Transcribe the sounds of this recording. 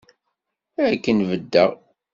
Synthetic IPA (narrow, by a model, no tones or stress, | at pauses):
ɾkːənvəd̪ːəʁ